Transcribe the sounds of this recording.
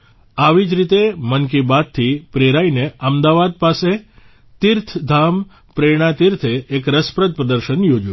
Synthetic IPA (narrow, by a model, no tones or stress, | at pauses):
aʋid͡ʒɾit̪emənk̬ibad̪̚t̪ʰːipɾeɾaineəmd̪aʋad̪̚pase | t̪iɾt̪ʰd̪ʱam | pɾeɽ̃at̪iɾt̪ʰeːkɾəspɾəd̪̚pɾəd̪əɾʃənjod͡ʒũ